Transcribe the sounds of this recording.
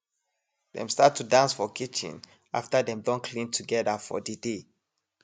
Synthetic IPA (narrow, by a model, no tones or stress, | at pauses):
dɛ̰̃mstatʰːudãnsfɔkʰit͡ʃḭ̃n | a̰ftadɛ̃mdɔ̃nkʰlĩntʰuɡɛðafɔ̰dide